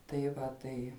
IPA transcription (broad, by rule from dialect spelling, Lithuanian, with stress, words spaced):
tɐɪ ˈʋɐ ˈtɐɪ